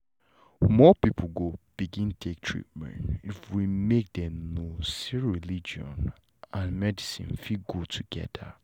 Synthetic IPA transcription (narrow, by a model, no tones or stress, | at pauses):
mɔpip̩ʰɡob̥iɡĩntʰek̚tʰɹḭt̚mɛ̰̃ntifwimek̚dɛ̃nosiɹilid͡ʒiɔ̰̃n | ãnmɛdisḭ̃nfilɡud̚tʰuɡ̥ɛ̰da̰